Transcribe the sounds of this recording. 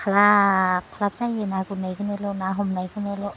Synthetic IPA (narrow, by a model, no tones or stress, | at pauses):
kʰalakʰɔlap̚tajenaɡunajɡɯnelɔnaɦɔmnajɡɯnelɔ